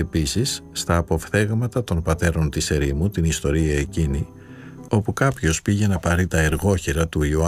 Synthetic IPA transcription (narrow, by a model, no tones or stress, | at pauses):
episisːt̪ɐːpo̞fθe̞ɣmɐt̪ɐt̪o̞npɐt̪e̞ɾo̞nt̪ise̞ɾimut̪inist̪o̞ɾiɐe̞cini | o̞pukɐpço̞spiʝe̞nɐpɐɾit̪ɐe̞ɾɣo̞çeɾɐt̪uioɐ